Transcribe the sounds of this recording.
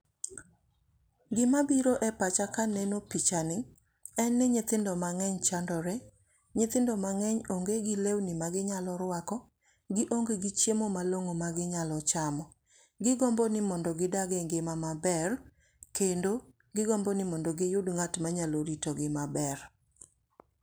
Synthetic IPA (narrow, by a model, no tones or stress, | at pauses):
ɡɪmabiɾoʔɛpat͡ʃakanɛnopit͡ʃanɪŋ | ɛnːɪɲɪt̪ɪndɔmaŋɛɲt͡ʃandɔɾe | ɲɪt̪ɪndɔmaŋɛɲoŋɡeɡɪlewnɪmaɡɪɲalɔɾwakɔ | ɡɪʔoŋɡeɡɪt͡ʃjemomaloŋomaɡɪɲalɔt͡ʃamɔ | ɡɪɡɔmbɔnɪmɔndɔɡɪdaɡeŋɡɪmamabɛr | kendo | ɡɪɡɔmbɔnɪmɔndɔɡɪjʊdŋatmaɲaloɾitoɡɪmabɛr